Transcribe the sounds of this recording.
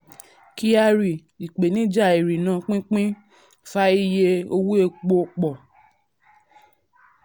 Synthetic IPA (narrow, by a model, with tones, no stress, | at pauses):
ki˦a˧ɾi˨ | i˨k͡pe˨nĩ˦d͡ʒa˦˨i˨ɾi˨nã˨˦k͡pĩ˦k͡pĩ˦ | fa˦i˦je˧o˧wu˦e˧k͡po˧k͡pɔ˨